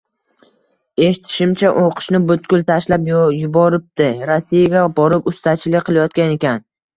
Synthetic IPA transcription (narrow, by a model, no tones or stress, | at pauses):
e̞ʃɪt̪ʰɪ̥ʃɪmt͡ʃʰaʔoqʰɨ̥ʃnɪbʊt̪ɡʲʊlˠt̪ʰaʃlapjjʊbɒɾɪp̚d̪ɪɾasːijaɡʲabɒɾɪpʊst̪at͡ʃʰɪlɪqʰɨlˠajɒt̪̚kʲane̞kʲan